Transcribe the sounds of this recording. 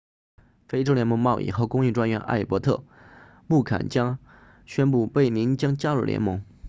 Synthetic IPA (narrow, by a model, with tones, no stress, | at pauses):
fe˥ɪʈ͡ʂo˥ʊljɛ˧˥nmɤ˧˥ŋmɑ˥˧ʊʔḭ˥˩xo˧˥kʊ˥ŋi˥˧ʈ͡ʂwa˥nɥɛ˧˥nʔa̰˥˩ɪpwɔ˧˥t̪ʰɤ̰˥˩ | mu˥˩kʰa̰˨˩nt͡ɕjɑ˥ŋ | ɕɥɛ˥np̬u˥˧pe˥˩ɪni˧˥nt͡ɕjɑ˥ŋt͡ɕja˥ɻṵ˥˩ljɛ̰˧˥nmɤ˧˥ŋ